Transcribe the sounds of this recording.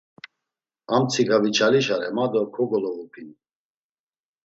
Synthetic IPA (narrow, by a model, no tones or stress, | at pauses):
amt͡sʰikʰavit͡ʃʰaliʃaɾɛmad̪ɔkʰɔɡɔlɔvupʰin